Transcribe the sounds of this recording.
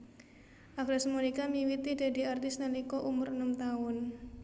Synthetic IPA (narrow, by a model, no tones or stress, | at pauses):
ʔaɡɾasmunikamiwit̪id̥a̤di̤art̪ɪsnalikɔʔumʊɾənəmt̪aʊn